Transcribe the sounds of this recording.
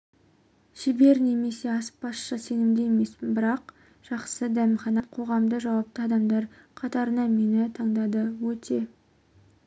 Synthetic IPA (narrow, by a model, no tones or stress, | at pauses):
ʃɪbe̞ɾne̞me̞se̞ɑspɑsʃəse̞nɪmd̪ejeme̞sbɪɾɑq | ʒ̥ɑqsəd̪æmχɑnɑqʰo̞ʁɑmd̪əʒɑwɑp̚t̪əɑd̪ɑmd̪ɑɾqʰɑt̪ɑɾənɑme̞nɪt̪ʰɑɴd̪ɑd̪əwɵt̪ʰe̞